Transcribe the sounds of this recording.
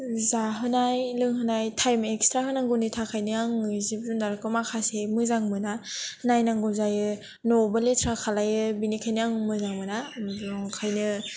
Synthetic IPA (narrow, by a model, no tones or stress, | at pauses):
zaɦɯnajlɯŋɦɯnajtʰajmekstʰɾaɦɯnaŋɡɔnitʰakʰajnɯaŋɯzibɾundaɾɯkɯmakʰasemɯzaŋmɯnanajnaŋɡɔzajɯ | nɔbaletʰɾakʰalajɯbinikʰajnɯaŋmɯzaŋmɯnabɾɔŋkʰajnɯ